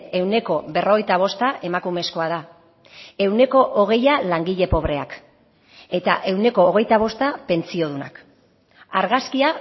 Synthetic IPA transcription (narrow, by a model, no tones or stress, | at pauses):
e̞wne̞ko̞βe̞ro̞ɣ̞e̞jt̪aβ̞o̞st̪aʔe̞makume̞sko̞að̞a | e̞wne̞ko̞ʔoɣ̞e̞jalaŋɡiʎe̞po̞βɾe̞ak | e̞t̪aʔe̞wne̞koːɣ̞e̞jt̪aβ̞o̞st̪ape̞nt͡sio̞ð̞una̰k | aɾɣaskia